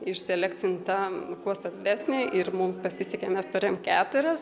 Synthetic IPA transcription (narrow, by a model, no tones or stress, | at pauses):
ɪʃsʲɛlʲækt͡s̪ʲɪnt̪ɑkuɔst̪ɐbʲdʲæːsʲnʲɪʔɪrmʊmspɐsʲɪsʲɛkʲemʲɛst̪ʊɾʲeːjomkʲæːt̪ʊɾʲɛs